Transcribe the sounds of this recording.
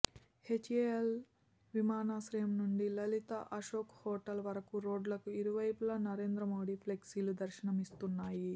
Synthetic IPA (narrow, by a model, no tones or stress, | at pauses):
het͡ʃeel | ʋimaːnaːʃɾɐjɐmnuɳɖilɐlit̪ɐ̰ʔɐʃoːkhɔːʈɐlʋɐɾɐkuɾo̞ːɖlɐkuiɾuʋɐjpulɐnɐɾe̞ːnd̪ɾɐmoːɽipʰleksilud̪ɐɾʃɐnɐmist̪unːaːji